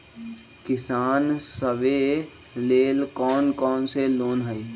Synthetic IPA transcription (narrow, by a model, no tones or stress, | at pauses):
kɪsaːnsəbe | leːlkɔːnkɔːnseloːnɦəi